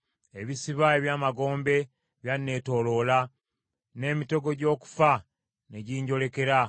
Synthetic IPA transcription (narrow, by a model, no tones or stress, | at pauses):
e̞βisiβae̞βjaːmaɡo̞ːmbe̞ | βjanːe̞ːto̞lola | ne̞ːmito̞ɡo̞ɟo̞ːku̥fa | ne̞ɟiːɲɟo̞le̞ke̞ɾa